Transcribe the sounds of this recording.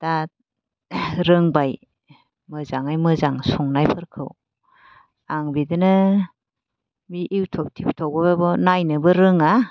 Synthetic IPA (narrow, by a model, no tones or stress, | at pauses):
d̥at̚ | ɾɯŋbaj | mɯzaŋajmɯzaŋsɔŋnajpʰɯɾkʰɯ̰w | aŋbidɯnɯ | miʔiwtʰɔp̚tʰiptʰɔk̚bɔbabɔnajnɯbɯɾɯŋa